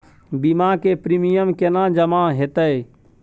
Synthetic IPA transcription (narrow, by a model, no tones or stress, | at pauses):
bimakepɾimijəmkenãd͡ʒəmãɦet̪əe